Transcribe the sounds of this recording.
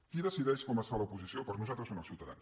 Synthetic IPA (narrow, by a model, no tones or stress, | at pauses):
kiðəsiðɛʃkɔməsfaləupuzisiopəɾnuzalt̪ɾəsoməlˠsiuwt̪əða̰ns